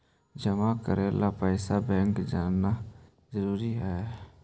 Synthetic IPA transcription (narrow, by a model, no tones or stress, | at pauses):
d͡ʒəmakəɾeːlapɛɪsabɛ̃ːŋkd͡ʒaːnːa | zəɾuːɾiɦɛː